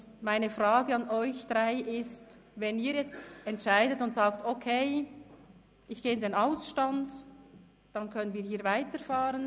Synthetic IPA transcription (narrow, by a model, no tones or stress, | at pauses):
maɪnəfraːɡəɑnʔɔʏçd̥ʁaɪʔɪst | vɛniːɾjɛt͡stɛntʃaɪdətʊntsaːktokʰeɪ | ɪçɡ̥eːɪndenaʊsʃtɑnd | d̥ɑnkʰœnənviːhiːvaɪtəɾfaːɾən